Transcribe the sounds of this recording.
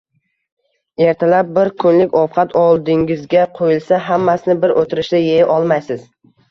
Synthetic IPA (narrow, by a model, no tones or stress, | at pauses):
e̞ɾt̪ʰalap̚bɪɾkʰʊnlɪkʲɒfqʰɑt̪ʰɒlˠd̪ɪŋɪzɡʲaqʰojɪlsaɦamːasɪnɪbɪɾʔot̪ʰɪɾɪʃlajejɪʔɒlˠmajsɪz̥